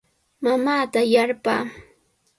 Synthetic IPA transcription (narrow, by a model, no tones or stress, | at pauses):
mamaːt̪ajaɾpa̰ː